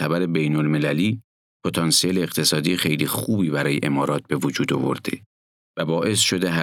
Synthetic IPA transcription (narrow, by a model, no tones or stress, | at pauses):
t̪ʰæbæɾe̞bejnolme̞læliː | pʰo̞t̪ʰɒːnsijeleːɣt̪ʰe̞sɒːd̪iːjxejlixuːbiːbæɾɒːjḛʔe̞mɒːɾɒːt̪̚be̞vod͡ʒuːd̪o̞̰vo̰ɾd̪̥ḛ | væbɒːʔe̞sʃo̞d̪eɦæ